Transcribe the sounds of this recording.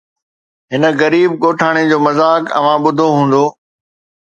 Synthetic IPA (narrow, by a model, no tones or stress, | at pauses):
ɦɪnə̆ɣɐɾiːb̚ɠoːʈʰaːɽ̃ed͡ʑoːmɐzaːkɐ̰ʋãɓʊd̪ʱoɦũːn̆d̪oː